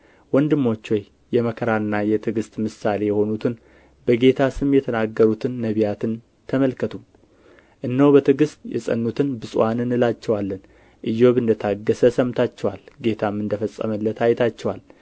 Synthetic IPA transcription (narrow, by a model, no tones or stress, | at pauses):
wɔnd̪ɨmːo̞t͡ʃːwoj | jɛməkʰəɾanːajɛt̪ʰɨɡɨst̪mɨsale̞jɛho̞nut̪ʰɨn | bəɡe̞t̪ʰasɨmjɛt̪ʰənaɡːəɾut̪ʰɨnːəβijat̪ʰɨn | t̪ʰəməlkət̪ʰu | ʔɨnːəwbət̪ʰɨɡɨst̪jɛ̰sʼə̰nːut̪ʰɨnbɨsʼwanɨnɨlat͡ʃːɛwalːən | ʔɨjːo̞βɨnd̪ət̪ʰaɡːəsəsəmt̪ʰat͡ʃːɛwalɡe̞t̪ʰamːɨnd̪əfəsʼːə̰məlːət̪ʰajɛt̪ʰat͡ʃːɛwal